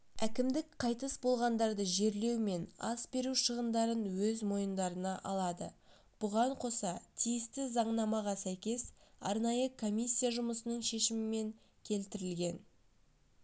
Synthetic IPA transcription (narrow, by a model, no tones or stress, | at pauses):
ækʲɪmd̪ɪkqʰɑjt̪əsbo̞lˠʁɑnd̪ɑɾd̪əʒe̞ɾle̞wme̞nɑ̰sbe̞ɾuʃəʁənd̪ɑɾənwɵzmo̞jənd̪ɑɾənɑʔɑlˠɑd̪ə̰ | b̥ʊʁɑɴqʰo̞sɑt̪ʰijɪst̪ɪzɑɴnɑmɑʁɑsæjkʲe̞sɑ̰ɾnɑjəkʰo̞mʲijsʲːijaʒʊməsənəɴʃe̞ʃɪmɪme̞ŋ | kʲʰe̞lt̪ɪɾɪlɡʲe̞n